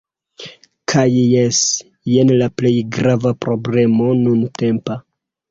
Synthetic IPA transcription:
kʰajjes | jenlaple̞jɡɾavapɾo̞ble̞mo̞nunte̞mpa

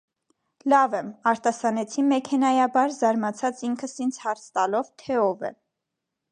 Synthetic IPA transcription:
lɑvɛmɑɾt̪ɑsɑnɛt͡sʰinmɛkʰɛnɑjɑbɑɾzɑɾmɑt͡sʰɑt͡siŋkʰəsint͡sʰhɑɾt͡sʰt̪ɑlɔvt̪ʰɛɔvɛ̰

